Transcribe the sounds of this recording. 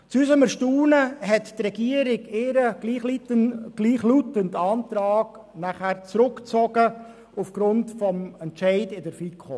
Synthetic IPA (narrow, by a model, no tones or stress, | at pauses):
t͡suysəməʃtuːnəɦɛttrɛɡiəɾɪɡɪɾəɡliχliɡ̥liːχlutəntɑːnt̪ɾɑːɡ̥ | næχæːɾt͡sɾʊkt͡sɔɡə | ufɡ̥ɾʊntfɔmɛntt͡ʃɛɪdɪdəɾfikχo